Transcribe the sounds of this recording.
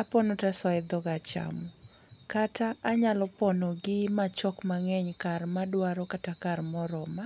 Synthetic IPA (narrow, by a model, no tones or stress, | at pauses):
apɔnotasaɪd̪ɔɡat͡ʃa̰mɔkataːɲalɔpɔnoɡɪmat͡ʃɔkmaŋɛɲkarmadwaɾɔkatakarmɔɾɔma